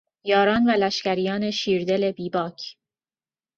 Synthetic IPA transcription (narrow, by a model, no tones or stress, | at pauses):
jɒːɾɒːnvælæʃcæɾijɒːne̞ʃiːɾd̪e̞le̞biːbɒːcʰ